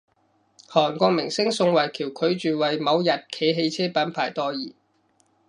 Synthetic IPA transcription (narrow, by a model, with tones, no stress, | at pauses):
hɔː˨˩nkʷɔː˧k̚mɪ˨˩ŋsɪ˥ŋsʊ˧ŋwɐ˨˩jkʰiː˨˩wkʰɵ˨˧ɥt͡ʃyː˨wɐ˨˩jmɐ˨˧wjɐ˨t̚kʰe˨˧jɦe˧jt͡sʰɛː˥pɐ˨˥npʰaː˨˩jt̪ɔː˧jiː˨˩